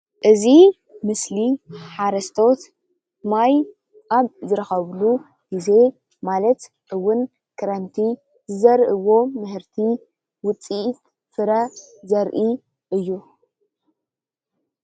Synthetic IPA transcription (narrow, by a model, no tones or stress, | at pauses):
ʔɨzi | mɨsliħaɾɐst̪ʰo̞t̪ | maj | ʔaβzɨɾɐxɐβlu | ɡ̥ize̞ | malɐt̪ | ʔɨwʊn | kʰɐɾɐnt̪ʰi | zɨzɐɾʔɨwo̞mɨhɨɾt̪ʰi | wʊt͡sʼit̪ | fɨɾɐzɐɾʔi | ʔɨjːu